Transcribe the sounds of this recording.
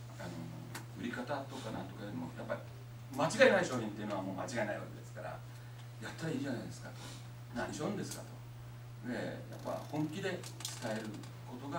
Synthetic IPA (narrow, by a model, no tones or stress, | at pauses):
ano̞̰ | ɯ̟ɾʲikat̪at̪o̞kanãnt̪okaɯɾimo̰japːai | mat͡ɕiɡaenaiɕo̞ːçʲĩnt̪e̞iɯ̟noamo̞ːma̰t͡ɕiɡaena̰ḭβa̰ke̞d̪e̞sɨ̥kaɾa̰ | jat̪ːaɾaiːʑanaid̪e̞sɨ̥kat̪o | naɲiɕoɯ̃nd̪e̞sɨ̥kat̪o̞̥ | d̪e̞ja̰pːa̰hõ̞ŋkʲid̪e̞ | t͡sɨ̥t̪ae̞ɾɯ̟ | ko̞t̪o̞ɡa